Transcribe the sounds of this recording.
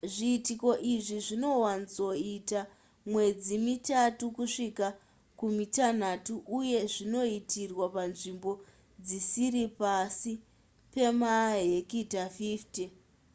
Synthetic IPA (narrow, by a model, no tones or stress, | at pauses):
ʐiːtiko̞ʔiʐiʐino̞wanit͡so̞ita | mwe̞d͡zimitatukuʂika | kumitan̤atuʔuje̞ʐino̞itʰirwapanʐimbo̞ | d͡zisiɾipasi | pe̞maɦekitafifti